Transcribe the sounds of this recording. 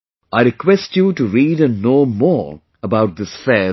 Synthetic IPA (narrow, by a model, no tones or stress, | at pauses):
aɪɾɪkwɛsʈjuːʈuɾiːɖə̃nnoːmɔːɾ | əbaʊʈ̚d̪ɪsfɛː